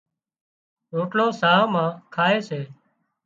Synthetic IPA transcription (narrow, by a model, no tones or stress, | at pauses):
ɾoːʈloːsaːɦmãːkʰaːeːseː